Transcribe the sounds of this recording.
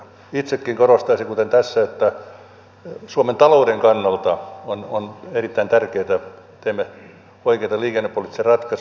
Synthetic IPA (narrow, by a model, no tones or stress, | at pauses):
it̪sekːiŋkorost̪ɑisiŋkut̪ent̪æsːæet̪ːæ | suoment̪ɑloudeŋkɑnːɑlt̪ɑononerit̪ːæint̪ærkeːt̪æ | t̪eːmːe | oikeit̪ɑliːkenːepːolit̪ʲːiserɑt̪kɑs